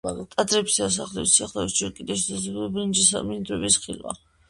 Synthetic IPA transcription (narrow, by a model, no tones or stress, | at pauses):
t̪ʼad̪ɾɛpsias̬aχlɛissiaχlɛisd͡ʒɛɾkʼid̪ɛʃɛsazɛbulibɾind͡ʒisa̰mind̪ɾɛbisχilwa̰